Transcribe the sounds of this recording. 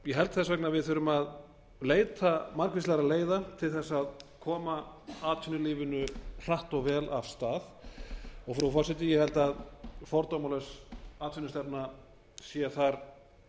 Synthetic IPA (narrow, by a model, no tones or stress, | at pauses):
jɛɦɛlt̪θɛsvɛk̚navɪðθʏɾʏmað | leːjt̪amaɾkvɪslɛaɣɾaleːjðat̪ʰɪlθɛsːaðkʰɔːmaaːt̪ʰfʏnʏlɪːvɪnʏr̥aht̪ɔɣvɛːlavst̪aːð | ɔɣfɾafɔrsɪt̪ɪjɛhɛlt̪aðfɔɾt̪ɔmalɛsaːt̪vɪnʏst̪ɛpna | sjɛːaθaɾ̥